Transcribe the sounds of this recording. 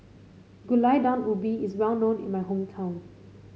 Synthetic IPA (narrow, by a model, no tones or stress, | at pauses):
ɡulaɪdãnubiɪswɛlnõnɪ̰̃nmaɪɦõmtʰãʊ̃n